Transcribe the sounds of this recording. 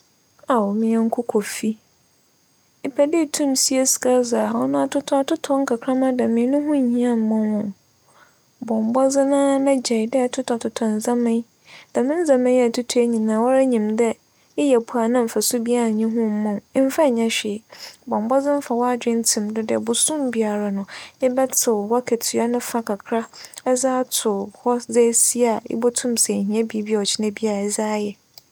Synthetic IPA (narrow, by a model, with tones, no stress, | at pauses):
a˨wmɪ̃˨˦ɛ˦ŋ̩˦kʰʊ˦kʰɔ˨fi˦ | ɪ˨pʰɛ˨dɪ˦˨tʰũ˦msi˦e˦sɪ̥˨ka˦za˨ɔ˦nʊ̃˦a˨tʰʊ˦tʰɔ˦a˨tʰʊ˦tʰɔ̃˦ŋ̩˦kʰa˨kʰɾã˦mã˦dɛ˨mɪ̃˨˦nʊ̃˦ɦʊ̃˦ɲ̩˨hĩ˦ã˦m̩˨˦mʊ̃˦wʊ̃˦˨n | bɔ̃˨m˨bɔ˦d͡zɪ˦nãː˦mɛ˦d͡ʑɛ˨jdɛ˦˨tʰʊ˦tʰa˨tʰʊ˨tʰɔ̃˨n˨zã˦mɪ̃˦ | d̥a˨mɪ̃˦n̩˦zã˨mɪ̃˦ɛ˨tʰʊ˦tʰu˦e˦ɲĩ˨nã˨wɔ˦ɾa˦ɲĩ˨mdɛ˦ | ɪ˦jɛ˨pʰu˨a˨nã˦m̩˨fa˨sʊ˦bi˦a˦ɾa˨ɲɪ̃˦ɦʊ̃˦m˦mʊ̃˨˦m̩˦fa˦˨ɲã˦ɕᶣɪ˨bɔ̃˨m˨bɔ˦zɪ̃˦m̩˦fa˨wɔ˦a˦dᶣɪ̃˦n̩˦tʰĩ˨mdʊ˦dɛ̰˨bʊ˨sũ˦mbi˦a˨ɾa˨nʊ̃˨ɪ˦bɛ˦tʰɪ˨wɔ˦kʰɛ˨tʰi˨a˦nʊ̃˦fa˦kʰa˨kʰɾa˦ɛ˦zaː˦tʰʊ˨hɔ˦ze˦si˦a˨ɪ̰˦bɔ˦tʰʊ̃˦msɛ˨hĩ˨˦ɛ̃˦bi˦bi˦ɔ˨t͡ɕʰɪ˦nɛ̃˦bi˦a˦˨ɛ˨zaː˦jɛ˨